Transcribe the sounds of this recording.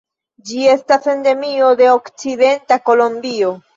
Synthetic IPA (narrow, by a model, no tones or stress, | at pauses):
d͡ʒie̞stase̞nde̞mio̞de̞okt͡side̞ntako̞lombio̞